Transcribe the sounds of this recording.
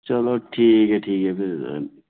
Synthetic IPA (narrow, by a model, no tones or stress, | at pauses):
t͡ʃɐloʈʰiːkɛʈʰiːkɛpiɾ